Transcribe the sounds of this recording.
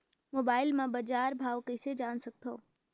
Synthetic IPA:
mobaːɪlmãbəd͡ʒaːɾbʱaːʋkəɪsed͡ʒaːnsək̚t̪ʰoː

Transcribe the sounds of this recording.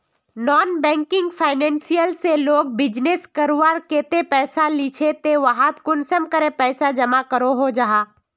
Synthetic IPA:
nɔːnbɛ̃ːŋkɪ̃ŋɡfʰaːɪnɛ̃ːnsijəlseloːɡ̚bɪd͡ʒneskəɾʋaːɾkeːt̪epɛːsalit͡ʃʰet̪eʋaɦat̪kʊnsəmkəɾepɛːsad͡ʒɐmakəɾoɦod͡ʒaɦaː

